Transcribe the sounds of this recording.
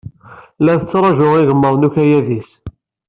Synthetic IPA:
læθət͡sːɾˤɑʒʊʁɪɣəmːəɾˤnukæjæðis

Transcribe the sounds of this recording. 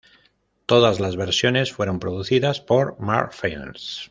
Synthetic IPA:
t̪o̞ðazlazβeɾsjo̞ne̞sfwe̞ɾo̞mpɾoðuθiðaspo̞ɾma̰ɾfen̰s

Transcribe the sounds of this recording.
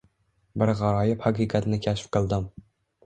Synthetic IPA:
bɪɾʁɑɾɒjɪphɑqʰiqʰɑt̪nɪkʲʰaʃɪ̥fqɨlˠd̪ɪm

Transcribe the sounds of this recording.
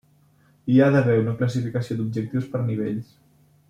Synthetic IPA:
iaðəβɛunəkləs̬ifikəsiod̪ub̚ʒək̚t̪iwspəɾniβ̞eʎs

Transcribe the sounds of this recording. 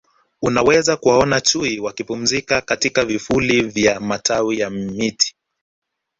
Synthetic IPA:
unawɛzakuwaɔnat͡ʃuiwakipum̩zikakatikavifulivjamatʰawijammiti̥

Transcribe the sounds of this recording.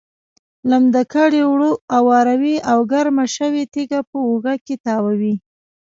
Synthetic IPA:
lamd̪akaɽewɽoawɑɾawiawɡaɾmaʃəwet̪eɡapəoɣaket̪ɑwawi

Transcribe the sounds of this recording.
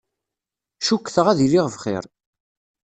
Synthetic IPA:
ʃukːθəʁæðiliʁəvχɪ̰ɾ

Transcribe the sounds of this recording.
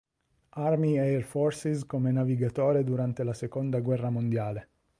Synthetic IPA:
armiɛɛrfɔrsiskomenaviɡat̪oːɾed̪uɾant̪elasekond̪aɡwɛrːamond̪jaːle

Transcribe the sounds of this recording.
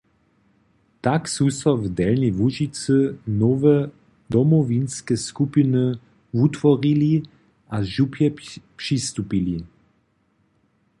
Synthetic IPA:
t̪aksusɔvd̪ɛlnivuʒit͡sɨnɔvɛ | d̪ɔmɔvinskɛskupinɨ | vut̪ʋɔʁili | ʔaʒupʰjɛpʂist̪upili

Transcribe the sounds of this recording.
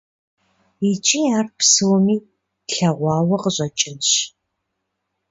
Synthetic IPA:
it͡ʃʼiːaːrpsɨwɔmiː | ɬɐʁʷɑːwɐqəɕʼɐt͡ʃʼɪnɕ

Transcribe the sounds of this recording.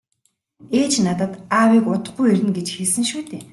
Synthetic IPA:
eːt͡ɕnat̪ə̆t̪awiːkʊt̪ə̆χɡujeɾʲɘ̆nɡet͡ɕxiɮsɘ̆ŋʃuːt̪eː

